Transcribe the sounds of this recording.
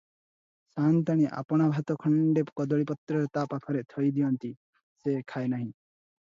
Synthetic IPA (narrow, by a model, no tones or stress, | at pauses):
sant̪aɽ̃iʔa̰pɔɽ̃abʱat̪ɔkʰɔɳɖepkɔd̪ɔɭipɔt̪ɾɔɾt̪apakʰɔɾet̪ʰɔjd̪ijɔnt̪i | sekʰaenaɦĩ